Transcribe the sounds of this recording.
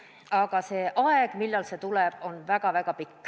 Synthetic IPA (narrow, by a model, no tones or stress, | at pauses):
ɑɡ̥ɑse̞ʔɑeɡ̥milːɑlse̞t̪ulɛb̥o̞nvæɡ̥ɑvæɡ̥ɑpikː